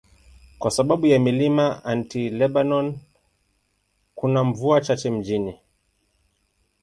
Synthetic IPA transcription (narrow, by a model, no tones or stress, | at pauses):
kwasaɓaɓujamilimaantilɛɓanɔn | kunaɱvuat͡ʃat͡ʃɛm̩d͡ʒini